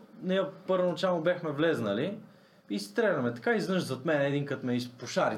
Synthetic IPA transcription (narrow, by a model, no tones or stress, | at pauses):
nɛjəpɤɾvonɐt͡ʃalˠobʲjaxmɛvlɛznəli | ist̪ɾɛlʲɐmɛt̪ɐ̥kaiznɤʃzɐt̪mɛnɛɛd̪iŋkət̪mɛispoʃaɾi